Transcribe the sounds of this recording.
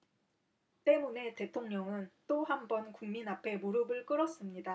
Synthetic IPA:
t͈e̞mune̞te̞tʰoŋɲʌŋɯnt͈oɦambʌnkuŋminapʰe̞moɾɯbɯɭk͈ɯɾʌs͈ɯmɲida

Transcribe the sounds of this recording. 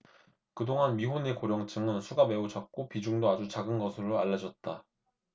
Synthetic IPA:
kɯdoŋanmiɦonekoɾjʌŋt͡ɕ͈ʰɯŋɯnsʰuɡame̞ud͡ʑak̚k͈opid͡ʑuŋdoad͡ʑut͡ɕaɡɯnɡʌsʰɯɾoaʎːʌd͡ʑʌt̚t͈a

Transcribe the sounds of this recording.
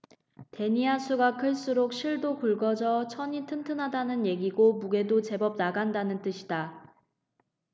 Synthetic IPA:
te̞ɲiasʰuɡakʰɯɭs͈uɾok̚ɕʰiɭdopuɭɡʌd͡ʑʌt͡ɕʰʌɲitʰɯntʰɯnɦadanɯnje̞ɡiɡomuɡe̞dot͡ɕe̞bʌb̚naɡandanɯnt͈ɯɕʰida

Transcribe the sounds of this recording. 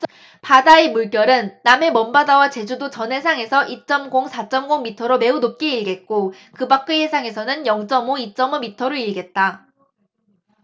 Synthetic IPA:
padaemuɭk͈jʌɾɯnːame̞mʌmbadawat͡ɕe̞d͡ʑudot͡ɕʌnɦe̞sʰaŋe̞sʰʌʔit͡ɕ͈ʌmɡoŋsʰat͡ɕ͈ʌmɡoŋmitʰʌɾome̞unop̚k͈e̞iɭɡe̞t̚k͈o | kɯbak͈ɯhe̞sʰaŋe̞sʰʌnɯnjʌŋt͡ɕ͈ʌmoit͡ɕ͈ʌmomitʰʌɾoiɭɡe̞t̚t͈a

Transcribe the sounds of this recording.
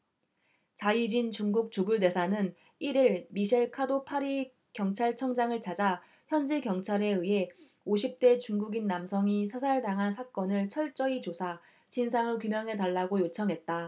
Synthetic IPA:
t͡ɕaid͡ʑint͡ɕuŋɡuk̚t͡ɕubuɭde̞sʰanɯn | iɾiɭmiɕʰeɭkʰadopʰaɾi | kjʌŋt͡ɕʰaɭt͡ɕʰʌŋd͡ʑaŋɯɭt͡ɕad͡ʑa | çjʌnd͡ʑikjʌŋt͡ɕʰaɾe̞ɯɦe̞ | oɕʰip̚t͈e̞t͡ɕuŋɡuɡinːamsʰʌŋisʰasʰaɭtaŋɦansʰak͈ʌnɯɭt͡ɕʰʌɭt͡ɕ͈ʌit͡ɕosʰa | t͡ɕinsʰaŋɯɭokumjʌŋɦe̞taɭːaɡojot͡ɕʰʌŋɦe̞t̚t͈a

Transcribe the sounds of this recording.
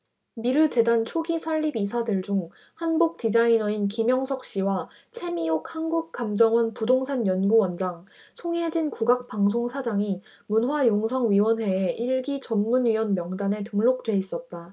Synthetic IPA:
miɾɯt͡ɕe̞dant͡ɕʰoɡisʰʌɭːibisʰadɯɭd͡ʑuŋ | hanbuk̚tid͡ʑainʌinkimjʌŋsʰʌk̚ɕ͈iwa | t͡ɕʰe̞miok̚hanɡuk̚k͈amd͡ʑʌŋʌnpudoŋsʰanjʌnɡuwʌnd͡ʑaŋ | sʰoŋed͡ʑinkuɡak̚p͈aŋsʰoŋsʰad͡ʑaŋi | munɦwajoŋsʰʌŋɥiwʌnwe̞ːʔiɭɡit͡ɕʌnmunɥiwʌnmjʌŋdane̞tɯŋɭok̚t͈we̞is͈ʌt̚t͈a

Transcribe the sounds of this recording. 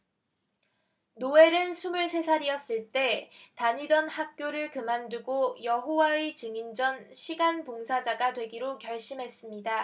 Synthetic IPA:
noe̞ɾɯnsʰumɯɭsʰe̞sʰaɾiʌs͈ɯɭt͈e̞taɲidʌnhak̚k͈joɾɯɭkɯmanduɡojʌɦowaet͡ɕɯŋind͡ʑʌnɕʰiɡanpoŋsʰad͡ʑaɡadwe̞ɡiɾokjʌɭɕ͈imɦe̞s͈ɯmɲida

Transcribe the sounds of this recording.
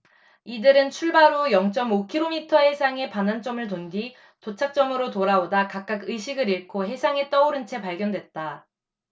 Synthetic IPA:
idɯɾɯnt͡ɕʰuɭbaɾojʌŋt͡ɕ͈ʌmokʰiɾomitʰʌɦe̞sʰaŋe̞panant͡ɕ͈ʌmɯɭtondi | tot͡ɕʰak̚t͡ɕ͈ʌmɯɾotoɾaodakak͈akɯjɕʰiɡɯɾiɭkʰoɦe̞sʰaŋe̞t͈ʌoɾɯnt͡ɕʰe̞paɭɡjʌndwe̞t̚t͈a

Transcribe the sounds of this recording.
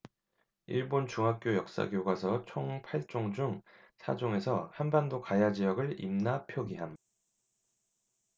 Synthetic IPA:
iɭbont͡ɕuŋɦak̚k͈jojʌk̚s͈a̰ɡjoɡwasʰʌt͡ɕʰoŋpʰaɭt͡ɕ͈oŋd͡ʑuŋ | sʰa̰d͡ʑoŋe̞sʰʌhanbandokajad͡ʑijʌɡɯɭḭmnapʰjoɡiɦam

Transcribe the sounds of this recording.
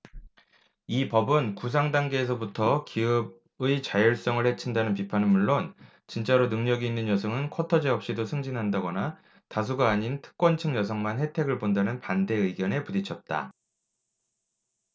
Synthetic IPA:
ipʌbɯnkus̬ʰaŋdaŋɡe̞ːs̬ʰʌbutʰʌkiɯb̚ | ɯit͡ɕajʌɭs͈ʌŋɯɭhe̞t͡ɕʰindanɯnp̬ipʰanɯnmuɭːon | t͡ɕint͡ɕ͈aɾonɯŋɲʌɡiːnːɯnjʌsʰʌŋɯnkʰʌtʰʌd͡ʑeʌp̚ɕ͈idosʰɯŋd͡ʑinɦandaɡʌna | tas̬ʰuɡaːɲintʰɯ̥k̚k͈wʌnt͡ɕʰɯŋjʌs̬ʰʌŋmanhe̞tʰe̞ɡɯɭbondanɯnpande̞ɯɡjʌne̞pudit͡ɕʰʌt̚t͈a̰

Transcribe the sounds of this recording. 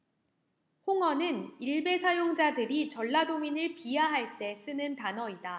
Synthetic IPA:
hoŋʌnɯniɭbe̞sʰajoŋd͡ʑadɯɾit͡ɕʌɭːadominɯɭpiɦaɦaɭt͈e̞s͈ɯnɯntanʌida

